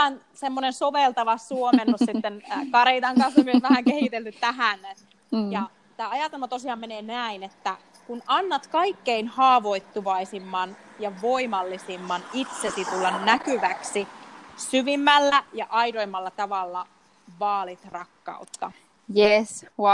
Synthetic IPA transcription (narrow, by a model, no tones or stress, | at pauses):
æn | semːonensoʋelt̪ɑʋɑsuomenossit̪ːenkɑɾit̪ɑŋkɑnsomioʋæɦhæŋkehit̪elt̪yt̪t̪æɦæn | jɑ | t̪æːɑjɑˑt̪elmɑt̪osiɑːmmeneːnæinet̪ːæ | kunɑnːɑt̪kɑikːeinhɑːʋo̞it̪ːuʋɑisimːɑnjɑʋoimɑlːisimːɑnit̪sesit̪ulːɑnnækyʋæksisyʋimːælːæjɑʔɑidoimːɑlːɑt̪ɑʋɑlːɑ | ʋɑːlit̪rɑkːɑ̰ut̪ːɑ̰ | jes